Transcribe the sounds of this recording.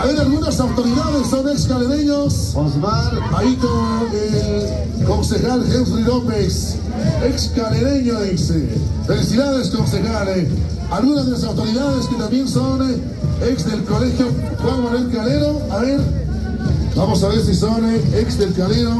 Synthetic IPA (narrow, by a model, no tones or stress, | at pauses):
aβeɾalɣunasawt̪oɾiðaðesːonekskaleɾeɲos | ozβaɾ | aikoŋe | konsexalxewsrilopes | ekskaleɾeɲoesefelisiðaðeskonsexale | alɣunazðelas̬awt̪oɾiðaðesket̪ambjenson | eksðelkolexjo | xwaŋmoɾelkaleɾo | aβeɾ | bamosaβeɾs̬isoneksd̪elkaleɾo